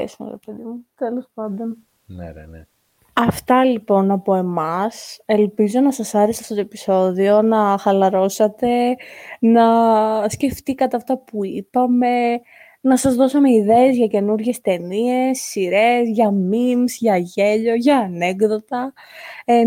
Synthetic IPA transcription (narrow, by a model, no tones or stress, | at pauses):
ḛsnɐ̰ɾḛpeðimut̪elo̞spɐnd̪on | n̰ | ɐft̪ɐlipo̞nɐpo̞e̞mɐse̞lpizo̞nɐsɐsɐɾesɐft̪ot̪oepi̥so̞ðio̞nɐxɐlɐɾo̞sɐt̪e̞nɐsce̞ft̪ikɐt̪eɐft̪ɐpuipɐme̞ | nɐsɐzðo̞sɐme̞iðe̞ːzʝɐce̞nuɾʝe̞st̪e̞nie̞sːiɾezʝɐmimzʝɐʝe̞ʎo̞ʝɐːne̞ɡðo̞t̪ɐ